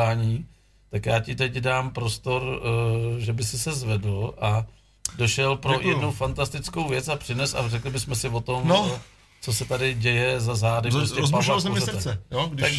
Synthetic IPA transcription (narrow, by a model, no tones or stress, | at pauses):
aːɲiː | t̪akjaːcɪt̪ɛcdaːmpɾo̞st̪o̞ɾ | ʒɛbɪsɪsɛzvɛdloʔa | doʃɛlpɾojɛdnufant̪ast̪ɪt͡sko̞wvjɛt͡sapr̥ɪnɛsa̰rɛklɪbɪsmɛsɪvo̞t̪o̞mo | t͡so̞sɛt̪adɪɟɛjɛzazaːdɪpɾosɛzpazmɛɛoak